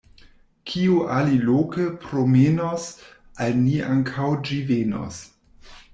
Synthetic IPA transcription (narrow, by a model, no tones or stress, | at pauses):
kʰiuʔalilokəpɾomenos | ʔalniʔaŋkʰawd͡ʒiveno̰s